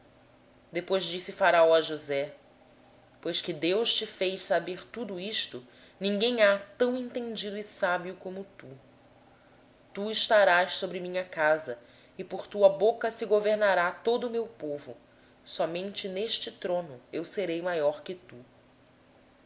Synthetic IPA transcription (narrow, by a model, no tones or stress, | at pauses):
d̪epojzd͡ʒisɪfaɾaawɐʒuzɛ | pojskɪd̪ewʃt͡ʃɪfejssabeɾt̪ud̪ʊiʃt̪ʊ | nĩŋɡẽj̃at̪ɐ̃w̃ẽnt̪ẽnd͡ʒid̪ʊɪsabjʊkõmʊt̪u | t̪uɪʃt̪aɾaʃsobɾɪmĩɲɐkazɐ | ɪpoɾt̪uɐbokɐsɪɡoveɾnaɾat̪od̪ʊmewpovʊ̰ | sɔmẽnt͡ʃɪneʃt͡ʃɪt̪ɾõnʊewseɾejmajɔɾkɪt̪u